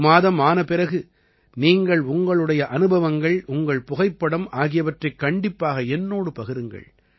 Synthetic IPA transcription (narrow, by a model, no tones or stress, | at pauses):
maːðɐmaːnɐpɪɾɐɣɯ | niːŋɡɐɭʊŋɡɐɭɯɽɐjɐʔɐnɯbɐʋɐŋɡɐɭʊŋɡɐɭpʊɣɐɪpːɐɽɐmʔaːɣɪjɐʋɐʈrɐɪkːɐɳɖɪpːaːɣɐɛnːoːɽɯpɐɣɪɾɯŋɡɐ̰ɭ